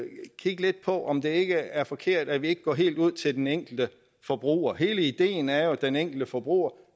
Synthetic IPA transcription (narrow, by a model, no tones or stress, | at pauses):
kʰiɡ̥le̝d̥̚pʰɒ̽ʔɒ̽md̥e̝e̝ɡ̥əæɐfɒ̽kʰe̝ɐ̰d̥æʋie̝ɡ̥əɡ̥ɒ̰ːɦe̝̰ːld̥uð̞̰ˠt͡sʰe̝ld̥eneŋ̰ɡ̥l̩d̥ə | fɒ̽b̥ʁṵːɐɦe̝ːləid̥e̝̰ːn̩æɐjo̝d̥eneŋ̰ɡ̥l̩d̥əfɒb̥ʁṵːɐ